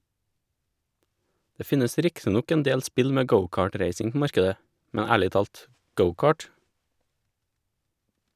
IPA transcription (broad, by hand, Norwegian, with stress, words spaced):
ˈdeː ˈfɪnəs ˈɾɪktɪ ˈnɔk ɛnˈdeːʎ ˈspɪʎ ˈmeː ˈɡəʊˌkɑːˌʈɾeɪsɪŋ ˈpoː ˈmɑɾkədə ˈmɛɲ ˈæːɭɪ ˈtɑːlt ˈɡəʊˌkɑːʈ